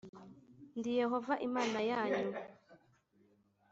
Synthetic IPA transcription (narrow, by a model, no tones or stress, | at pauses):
ndijɛɦɔvaʔimaːnajaːɲu